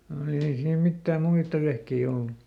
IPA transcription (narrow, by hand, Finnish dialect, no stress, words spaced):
m̩ ei siːm mitːæːm muitːɑ ʋehkei olːu